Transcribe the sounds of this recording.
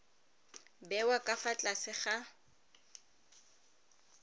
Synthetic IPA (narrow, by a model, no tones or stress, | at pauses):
bɛwakʼafat͡ɬʼasɪχa